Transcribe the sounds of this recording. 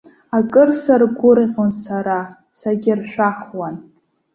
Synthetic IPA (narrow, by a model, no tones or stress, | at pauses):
akʼɨrsarɡʷʊɾiqʲonsaɾa | saɡʲɪrʃʷᶣaχwan